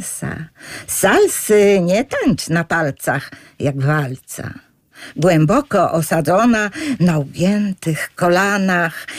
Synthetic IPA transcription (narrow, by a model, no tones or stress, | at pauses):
sa̰salsɘɲɛt̪ant͡ɕnapalt̪sa̰x | jaɡvalt̪sa̰ | ɡwɛmbɔkɔʔɔsad̪zɔnanawɡʲjɛnt̪ɘxkɔlanax